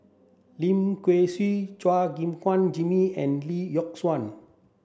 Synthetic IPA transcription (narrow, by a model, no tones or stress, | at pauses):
limkweswit͡ʃwaɡimkwand͡ʒimiɛ̃nlijɔk̚swan